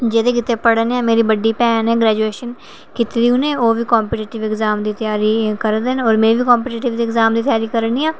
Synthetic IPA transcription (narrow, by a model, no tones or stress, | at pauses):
d͡ʒeːd̪eːkɪt̪ːeːpəɽəneaːmeːɾiːbəɖːiːpɛːnɛːɡɾɛːd͡ʒueːʃən | kɪt̪ɾiːũːneːoːʋiːkɔːmpeːʈiːʈɪʋɪɡzaːmd̪iːt̪ɪjaːɾiːkəɾd̪enɔːɾmẽːʋiːkɔːmpeːʈiːʈɪʋd̪iːɡzaːmd̪iːt̪ɪjaːɾiːkəɾniːaː